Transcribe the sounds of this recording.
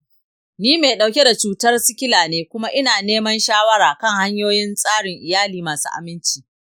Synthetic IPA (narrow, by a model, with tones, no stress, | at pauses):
niː˦meː˨ɗa˨wkʲe˦da˨t͡ʃuː˦tɐ˦rsɪ˦kʲɪ˦laː˨neː˦kʷʊ˦ma˦ʔɪ˦naː˨neː˦mɐ˦nʃaː˦wɐ˦ɾaː˨kɐ˦ŋha˦ɲjoː˦jɪ˦nsʼaː˦ɽɪ˨ŋʔɪ˨jaː˦liː˨maː˨sṵː˦ʔa̰˨mɪ˦nt͡ʃiː˨